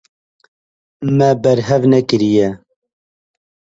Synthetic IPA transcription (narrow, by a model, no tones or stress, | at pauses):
mɛbɛɾɦɛvnɛkɨɾijɛ